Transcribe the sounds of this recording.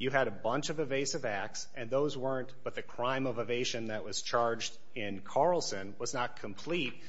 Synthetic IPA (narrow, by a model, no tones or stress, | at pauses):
jɨɨɾɨbʌ̃nt͡ʃʌvɨveɪsʌvæk̚sʔɨ̃nðoʊzwɜ˞ɨ̃nb̥ʌt̪̚ðɨkʰɹ̥ãɪ̃mʌvɨveɪʃɨ̃nðɨʔ̚wʌz̥t͡ʃʰɑɹd͡ʒd | ɪ̃nkʰɑɹl̩ˠsɨ̃nwʌznət̚kʰɨ̃mpʰl̥it̚